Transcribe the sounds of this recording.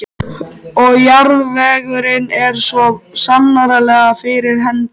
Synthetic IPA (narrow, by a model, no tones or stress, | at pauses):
ɔɣjaɾðvɛːɣʏɾɪnɛɾ̥sɔsamnaɾalɛːɣafɪɾɪɾ̥ɦɛnt̪